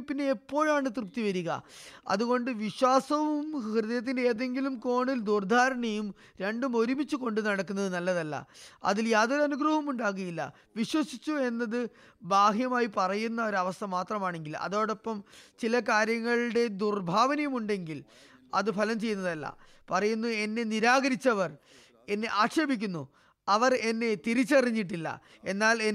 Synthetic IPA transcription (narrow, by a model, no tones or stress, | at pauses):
pːineːpːo̞ːɻaːɳɨt̪rɨp̚t̪ːiʋɐɾuɣɐ̰ɐ̰ðuɣo̞ɳɖɨʋiɕwaːsɐʋumkrɨðɐjɐt̪̬ːindeeːðe̞ŋɡilumko̞ːɳild̪urd̪ʱaːɾɐɳɐjum | ɾe̞ɳɖumo̞ɾumit͡ɕːuko̞ɳɖɨnɐɽɐkːunːɐðɨnɐlːɐðɐlːɐ̰ɐ̰ðiljaːðo̞ːɾuɐnuɡrɐɦɐmuɳɖaːɣujilːɐ̰ | ʋiɕwɐsit͡ɕːue̞nːɐðɨ | baːɦjɐmaːjipɐrɐjunːɐo̞ɾɐʋɐst̪ʰɐmaːt̪rɐmaːɳe̞ŋɡilɐ̰ðo̞ːɽɐpːɐmt͡ɕilɐkaːɾjɐŋːɐɭɽe̞d̪urbʱaːʋɐnɐjɐmuɳɖe̞ŋɡil | ɐ̰ðɨpʰɐlɐmt͡ɕe̞jːunːɐðɐlːɐ̰ | pɐrɐjunːue̞nːe̞niɾaːɣɐɾit͡ɕːɐʋɐr | e̞nːe̞ʔaːʈʂebik̬ʲːunːu | ɐʋɐre̞nːe̞t̪iɾit͡ɕːɐriɲːiʈ̬ːilːɐ̰ | e̞nːaːle